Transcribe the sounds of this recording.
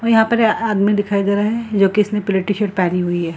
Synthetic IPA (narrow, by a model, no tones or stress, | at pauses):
ɔːjɐɦãpɐɾaːd̪mid̪ɪkʰaːid̪eɾaɦɛd͡ʒoːkiɪsnẽpʊlɪʈːiʃeʈpɛːniɦʊiɦɛː